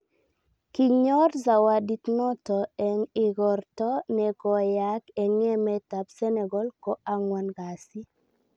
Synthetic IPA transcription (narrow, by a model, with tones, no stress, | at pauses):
ki˨ɲɔ˦rza˨wa˨di˨t̪nɔ˦tɔ˨ɛ˨ŋɪ˨ɡɔ˨rtɔ˦nɛ˨kɔ˨ja˦kɛ˨ŋɛ˦mɛ˦ta˨psɛ˦nɛ˨ɡɔ˦lkɔ˦a˦ŋwa˨nɡa˨si˦